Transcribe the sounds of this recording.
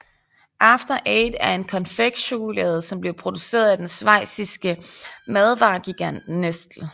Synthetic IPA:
ʔɑ̈fd̥ɐʔeːd̥æɐe̝nkʰɒ̽nfeɡ̥ɕoːlɛð̩ˠsɒ̽mb̥li̝ɐpʰʁo̝d̥use̝̰ːɐð̩ˠæd̥ensʋɑ̈ɪ̰sisɡ̥əmæðˠʋɑ̰̈ːɡ̥iɡ̥æn̰d̥nesd̥l̩

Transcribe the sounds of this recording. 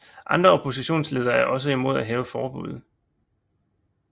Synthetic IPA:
ʔɑ̈nd̥ʁɐopʰo̝s̬iɕo̝̰ːnsle̝ːð̞ˠɐæɐʔɒ̽s̬əimo̝ð̞̰ˠæɦɛːʊəfɒːb̥ṵð̞ˠ

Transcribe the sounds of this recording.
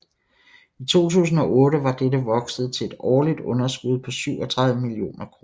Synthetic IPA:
it͡sʰo̝̰ːt͡sʰṵːsn̩ɒ̽ʔɔ̽ːɾəʋɑ̈d̥edəʋɒ̽ɡ̥sð̞̩ˠt͡sʰe̝e̝d̥ɒːlid̥ɔ̽nɐsɡ̥uð̞ˠpʰɒ̽syʊ̰ʔɒ̽t͡sʰʁäðˠʋəmilio̝̰ːnʔɐkʰʁoːɐ

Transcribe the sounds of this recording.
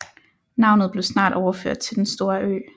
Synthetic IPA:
nɑ̈ʊ̰nð̞̩ˠb̥le̝ʊsnɑ̰̈ːɾ̥ɒʊɐføɐ̰d̥̚t͡sʰe̝ld̥ensd̥o̝ːɐʔø̰ː

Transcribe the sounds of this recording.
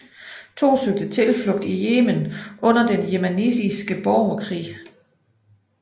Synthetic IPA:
t͡sʰo̝̰ːsøɡ̥̚d̥ət͡sʰe̝lflɔ̽ɡ̥̚d̥ijeːmənʔɔ̽n̰ɐd̥enjemænḭsisɡ̥əb̥ɒʊɐkʰʁḭː

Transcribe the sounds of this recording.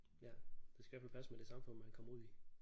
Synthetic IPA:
jæd̥esɡ̥æjæfælpʰæsmed̥e̝sɑ̈mfɔ̽n̰mænkʰɒ̽mɐuð̞̰ˠi

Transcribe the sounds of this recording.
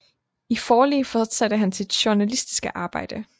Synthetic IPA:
ifɒːlḛːfɒd̥sæd̥əɦænt͡sʰe̝d̥ɕuɐnælisd̥i̥sɡ̥əʔɑ̈ːb̥ɑ̈ɪ̰d̥ə

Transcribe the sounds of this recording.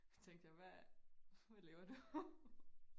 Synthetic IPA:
t͡sʰeŋd̥jɑɪʋæ | ʋæleʊɐd̥u

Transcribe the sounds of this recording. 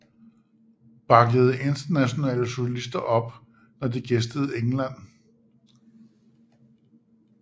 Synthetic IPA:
b̥ɑ̈ɡ̥əð̞̩ˠʔe̝nd̥ɐnæɕo̝nɛ̰ːləɕo̝ɕælisd̥ɐʔɒ̽b̥ | nɒd̥eɡ̥esd̥əð̞̩ˠeŋlæn̰

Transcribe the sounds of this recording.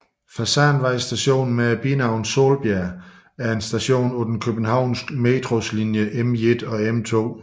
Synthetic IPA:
fæsɑːnʋɑ̈ɪ̰sd̥æɕo̝̰ːnn̩meæb̥inɑ̈ʊ̰nso̝̰ːlb̥jæɐ | æɐe̝nsd̥æɕo̝̰ːnɔd̥n̩kʰøb̥n̩hɑ̈ʊ̰nsɡ̥med̥ʁo̝slinjəʔemed̥ɒ̽emt͡sʰo̝̰ː

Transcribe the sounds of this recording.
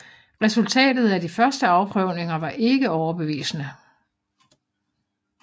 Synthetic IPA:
ʁɛsult͡sʰɛ̰ːd̥ð̞̩ˠæd̥ifɶɐsd̥əɑ̈ʊpʰʁœʊne̝ŋɐʋɑ̈ʔe̝ɡ̥əɒʊɐb̥e̝ʋḭːsənə

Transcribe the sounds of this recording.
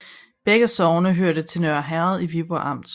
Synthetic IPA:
b̥eɡ̥əsɒʊnəɦøɐɾət͡sʰe̝nøɐɦæɐð̞ˠiʋib̥oʔɑ̈m̰d̥

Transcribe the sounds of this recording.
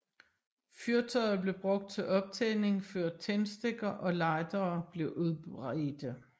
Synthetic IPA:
fyɐt͡sʰɒ̽ɪðˠb̥le̝b̥ʁɔ̽ɡ̥̚d̥̚t͡sʰe̝lʔɒ̽b̥̚t͡sʰene̝ŋføɐ̰d̥̚t͡sʰensd̥eɡ̥ɐʔɒ̽lɑ̈ɪd̥ɐːb̥le̝ʔuðˠbʁed̥ə

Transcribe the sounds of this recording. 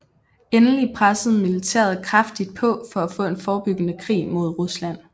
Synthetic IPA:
enəlipʰʁasð̩ˠmilit͡sʰḛːɐð̞̩ˠkʰʁafd̥id̥̚pʰɔ̽fɒ̽æfɔ̰̽ːe̝nfɒːb̥yɡ̥ənəkʰʁḭːmo̝ð̞ˠʁuslæn̰

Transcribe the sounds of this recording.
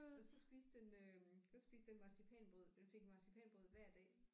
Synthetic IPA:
sɒ̽sb̥ḭːsd̥enøsɒ̽sb̥ḭːsd̥enmɑ̈sipʰɛ̰ːnb̥ʁɔð̞̰ˠd̥enfe̝ɡ̥mɑ̈sipʰɛ̰nb̥ʁoð̞̰ˠʋæɐ̰d̥ɛ̰ː

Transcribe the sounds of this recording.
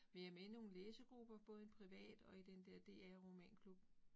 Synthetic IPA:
ʋe̝jɑ̈menəno̝ːn̩leːsɐɡ̥ʁub̥ɐb̥ɔ̽ːð̞̩ˠenpʰʁiʋɛ̰ːd̥ɒ̽id̥end̥ɛɐ̰d̥e̝̰ːæʁo̝mɛ̰ːnkʰlub̥̩

